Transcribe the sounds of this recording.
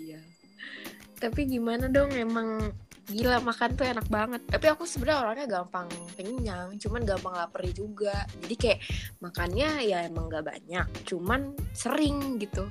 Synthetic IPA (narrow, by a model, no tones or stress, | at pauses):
ija | t̪apiɡimanadɔŋemaŋɡilamakant̪uenak̚baŋət̪ːapiakusəbədaoɾaŋɲaɡampaŋpəɲaŋt͡ʃumanɡampaŋlapəɾid͡ʒuɡad͡ʒadikajaʔmakanɲajaemaŋɡaʔba̰ɲak̚t͡ʃumansəɾɪŋɡit̪u